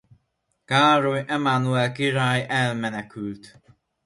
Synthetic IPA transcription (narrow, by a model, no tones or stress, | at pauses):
kaːɾojɛmanuɛlkiɾaːjɛlmɛnɛkylt̪